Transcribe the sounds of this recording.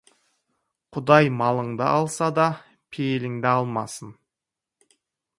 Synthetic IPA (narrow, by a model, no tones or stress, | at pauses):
qʰʊd̪ɑjmɑlˠəɴd̪ə̰ʔɑlˠsɑd̪ɑ | pʰejelɪŋd̪ɪɑlˠmɑ̰sən